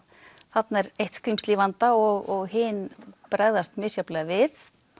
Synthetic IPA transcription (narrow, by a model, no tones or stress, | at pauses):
θat̪nɛɾejht̪skɾimst̪livant̪aɔɣɔɣɦɪːnpɾaɣðast̪mʏːsjaplɛɣavɪθ